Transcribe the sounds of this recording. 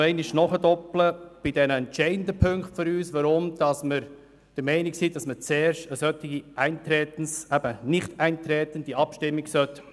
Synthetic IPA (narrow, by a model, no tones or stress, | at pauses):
ɛɪnɪʃnɔχədɔpləb̥ɪdɛnəɛntt͡ʃɛɪəndəpʰɵŋkχtføɾyːsʋɑɾʊmd̥ɑsmɪɾ | d̥əɾmɛɪnɪksiːd̥ɑsmət͡sɛːɾʃtəsœtɪɡ̥iʔæɪntɾɛːtn̩sɛb̥ənɪχtæɪnt̪ɾɛːtənd̥iɑpʃtɪmːɪɡsœt